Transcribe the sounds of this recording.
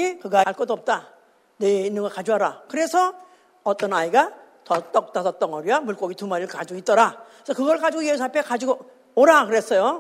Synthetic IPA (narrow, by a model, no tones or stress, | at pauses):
ikɯɡaɭk͈ʌd͈oʌp̚t͈a | neinːɯnŋɡʌkad͡ʑuɦaɾakɯɾe̞sʰʌ | ʌt͈ʌnaiɡa | tʌt͈ʌk̚t͈asʰʌt͈ʌŋʌɾamuɭk͈ʌɡitumaɾiɯɭkad͡ʑioit͈ʌɾa | sʰʌkɯɡʌɯɭkad͡ʑiɡojeus̬ʰapʰekad͡ʑiɡo | oɾakɯɾes͈ʌjo